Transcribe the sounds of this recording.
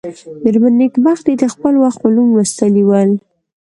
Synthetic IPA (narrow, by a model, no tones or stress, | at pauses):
mɪɾmanːikbaxd̪id̪əxpəlwaxt̪malumwəst̪əliwəl